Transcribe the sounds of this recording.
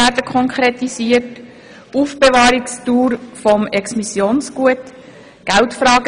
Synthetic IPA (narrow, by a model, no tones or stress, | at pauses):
æːɾdəkʰχɔŋkʰɾet̪isiːət | uːfb̥eʋɑːɾikstuːɾfɔmɛksmisjoːnsɡ̥uət | ɡ̥æltfɾɑːɡ